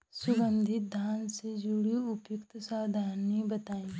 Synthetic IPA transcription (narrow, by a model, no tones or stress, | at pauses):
sʊɡə̃nd̪ʱɪt̪̚d̪ʱaːnsed͡ʒuɽiʊpjʊkt̪saːd̪ʱaːnːĩbət̪aːĩ